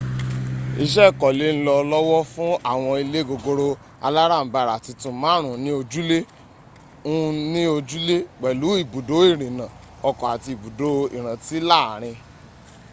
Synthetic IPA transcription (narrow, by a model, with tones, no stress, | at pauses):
i˧ʃ̬ɛ˦˨kɔ˨le˨˦n̩˦lɔ˧lɔ˦wɔ˦fũ˦a˦˨w̃ɔ̃˧i˧le˦ɡo˧ɡo˧ɾo˧ | a̰˧la˦ɾa˦˨m̩˨ba˨ɾa˨ti˧tũ˧˦mãː˦ɾ̃ũ˨˦nĩ˦o˧d͡ʒu˦le˦ | ũ˦˧nĩ˦o˧d͡ʒu˦le˦ɡ͡bɛ˨lu˨˦i˦˨bu˨do˨˦i˦˨ɾ̃ĩ˨nã˨ | ɔ˧kɔ˨a˨ti˧i˨bu˨do˨˦ḭ˨ɾ̃ã˨ti˨˦la˦˨ɾ̃ĩ˧